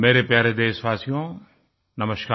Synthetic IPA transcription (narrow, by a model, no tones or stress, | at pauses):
meːɾepjaːɾed̪eːsʋaːsijõ | nɐməʃkaː